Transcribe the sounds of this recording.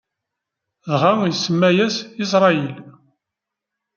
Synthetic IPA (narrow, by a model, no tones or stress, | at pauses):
ðʁajəsːəmːæjæsɪs̬ɾˤɑil